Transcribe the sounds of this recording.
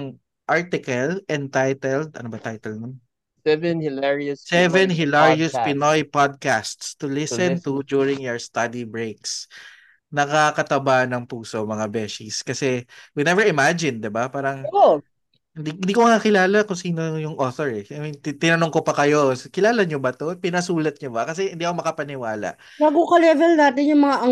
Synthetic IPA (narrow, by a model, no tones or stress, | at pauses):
ŋ | ʔaɹt̪ɪkɐlʔɛnt̪ajt̪ɛld̪̚ɐ̰nobɐt̪ajt̪ɛlnon | sɛvɛnhɪlɛɹiʊssɛvɛnɦɪlaɹiʊspɪnojpad̪̚kast̪st̪ʊlɪsɛnt̪ʊd͡ʒuɹɪŋjoɹst̪ɐd̪ibɹejks | nɐkakɐt̪ɐbanɐŋpuːsomɐŋabɛʃiskɐsɛwinɛvɛɹɪmad͡ʒɪnd̪ɪbapaːɾɐŋ | ɪnd̪iɪnd̪iːkomɐŋakɪlaːlɐkʊŋsiːnojʊŋʔoθoɹɛajmint̪ɪnɐnoŋkopɐkɐjo̞kɪlaːlɐɲobɐt̪opɪnɐsuːlɐt̪̚ɲobɐkɐsɛhɪnd̪iːɐkomɐkɐpɐnɪwaːlɐ̰ʔ | baːɡokɐlɛvɛlnaːt̪ɪnjʊŋmɐŋaʔɐ